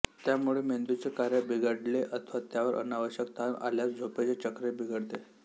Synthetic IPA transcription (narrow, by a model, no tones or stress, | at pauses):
t̪jamuɭemend̪ut͡sekaɾjabiɡəɽleʔət̪ʰəʋat̪jaʋəɾʔə̰naʋəɕjək̚t̪ʰana̰ljat͡sd͡zʱopet͡set͡ɕəkɾebʱiɡʱəɽt̪e